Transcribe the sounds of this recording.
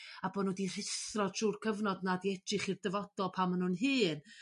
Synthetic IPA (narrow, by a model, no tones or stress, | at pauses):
abɔnɔdir̥ɪsrɔdʃuːrkʰəvnɔdnadiɛdrɪχirdəvɔd̥ɔlˠpʰamənʊnɦɨːn